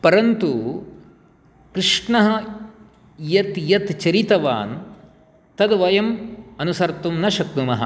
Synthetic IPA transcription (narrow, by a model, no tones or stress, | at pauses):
pɐɾɐnt̪u | kɾiʂɳɐɦɐ̆ | jɐt̪jɐt̪t͡ʃɐɾit̪ɐʋa̰ːn | t̪ɐd̪ʋɐjɐmɐnusɐɾt̪umnɐʃɐk̚t̪umɐɦɐ̰